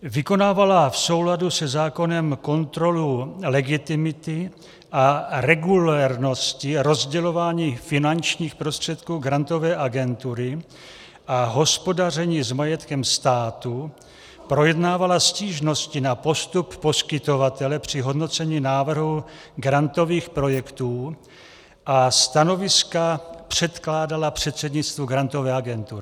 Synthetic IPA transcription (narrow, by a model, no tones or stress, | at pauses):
vɪko̞naːvalafso̞wladusɛzaːko̞nɛmko̞nt̪ɾo̞lulɛɡɪt̪ɪmɪt̪ɪ | ʔaɾɛɡulɛɾno̞scɪɾo̞zɟɛlo̞vaːɲiːfɪnant͡ʃɲiːxpɾost̪r̝̥ɛt̪kuːɡɾant̪o̞vɛːʔaɡɛnt̪uɾɪ | ʔaɦo̞spo̞dar̝ɛɲiːzmajɛt̪kɛmst̪aːt̪u | pɾo̞jɛdnaːvalasciːʒno̞scɪnapo̞st̪upːo̞skɪt̪o̞vat̪ɛlɛpr̝̥ɪɦo̞dno̞t͡sɛɲiːnaːvr̩ɦu | ɡɾant̪o̞viːxpɾo̞jɛkt̪uː | ʔast̪ano̞vɪskapr̥ɛt̪klaːdalapr̝̥ɛt̪sɛdɲɪt͡st̪vuɡɾant̪o̞vɛːaɡɛnt̪uɾɪ